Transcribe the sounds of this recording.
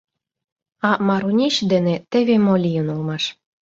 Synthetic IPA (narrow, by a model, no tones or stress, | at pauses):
ɑmɑɾunʲeɕd̪enĕt̪ĕβemolʲijənulmɑʃ